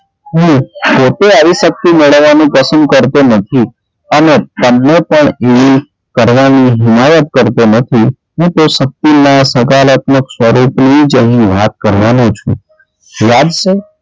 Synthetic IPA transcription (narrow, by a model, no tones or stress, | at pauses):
ɦũpot̪eaʋiʃək̚t̪iməɭəʋanũpəsənd̪̚kəɾt̪onət̪ʰi | ənet̪ənːepəɳeʋi | kəɾʋaniɦɪmajət̪̚kəɾt̪onət̪ʰi | ɦũt̪oʃək̚t̪inasəkalət̪məkswəɾupnid͡ʒəɦĩʋat̪̚kəɾʋanũt͡ʃʰṵ̃ | jad͡ʒʃe